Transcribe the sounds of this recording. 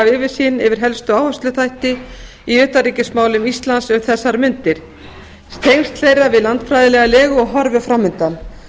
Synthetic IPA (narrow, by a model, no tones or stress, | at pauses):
avɪːvɪsiːnɪvɪɾ̥ɦɛlst̪ʏawhafst̪lʏt̪ʰajht̪ɪ | iʏːt̪ariːcɪsmaːwlʏmist̪lansœɣθɛsːaɾmʏnt̪ɪɾ̥ | st̪ʰejnst̪lejɾavɪðlant̪fɾajðɪlɛɣalɛːɣʏɔɣɦɔɾvʏfɾamʏnt̪an